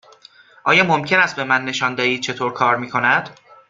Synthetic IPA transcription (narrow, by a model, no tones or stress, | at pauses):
ʔɒːjɒːmomcʰe̞næst̪̚be̞mænːe̞ʃɒːnd̪ɒiːd̪̚t͡ʃʰe̞t̪ʰoːɾkʰɒːɾmiːkʰo̞næd̪̥